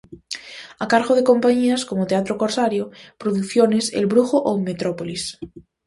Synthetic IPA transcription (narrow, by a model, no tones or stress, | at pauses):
akaɾɣoð̞ekompaɲiaskomot̪eat̪ɾokoɾsaɾjopɾoðukθjonesḛlβɾuxoʔomet̪ɾopolis